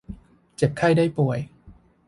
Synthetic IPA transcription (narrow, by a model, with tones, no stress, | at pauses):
t͡ɕe˨˩p̚kʰa˥˩jdaː˥˩jpu˨˩əj